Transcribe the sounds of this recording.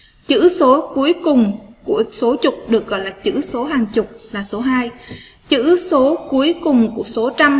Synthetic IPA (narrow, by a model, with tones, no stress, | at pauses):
t͡ɕɨ̰˧˥so˨˦ku˨˦əjkʊ˨˩ŋ͡mku˧˩əso˨˦t͡ɕʊ˨˩k͡p̚ɗɨ˨˩ək̚ɣɔ̰˧˨jlaː˨˩t͡ɕɨ̰˧˥so˨˦ɦaː˨˩ŋt͡ɕʊ˨˩k͡p̚laː˨˩so˨˦ɦaː˧jt͡ɕɨ̰˧˥so˨˦ku˨˦əjkʊ˨˩ŋ͡mku˧˩əso˨˦t͡ɕa˧m